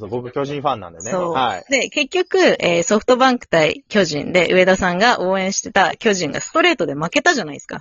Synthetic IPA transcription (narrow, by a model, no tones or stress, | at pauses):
obokɯkʲoʑĩɸãnːã̰nd̪eneso̞ːaid̪e̞ke̞kʲːo̞kɯ̟eːso̞ɸɯ̟̥t̪o̞bãŋkɯ̟̥t̪aḭkʲo̞ʑḭ̃nd̪e̞ʔɯ̟e̞d̪asãŋɡaʔo̞ːẽ̞ɕi̥t̪e̞t̪akʲo̞ʑĩŋɡa̰sɨ̥t̪o̞ɾe̞ːt̪o̞d̪e̞make̞t̪aʑanaiska̰